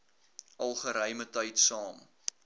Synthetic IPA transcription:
ʔɐlˠχəɾəjmətɐjtsɑːm

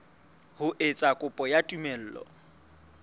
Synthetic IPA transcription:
hʊʔet͡sʼakʼʊpʼɔjatʼumel̩ːlɔ̰

